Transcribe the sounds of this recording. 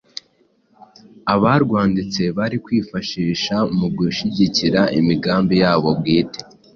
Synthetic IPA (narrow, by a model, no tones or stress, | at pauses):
aβaɾɡwaːndit͡se̞βaɾikwiːfaʃiːʃamuɡuʃiɟiciɾaʔḭmiɡaːmbijaːβo̞bɡiːte̥